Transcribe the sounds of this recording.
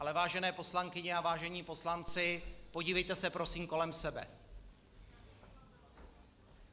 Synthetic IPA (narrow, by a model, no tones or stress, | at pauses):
alɛvaːʒɛnɛːpo̞slaŋkɪɲɛavaːʒɛɲiːpo̞slant͡sɪpoɟiːvɛjt̪ɛsɛpɾo̞siːmko̞lɛmsɛbɛ̰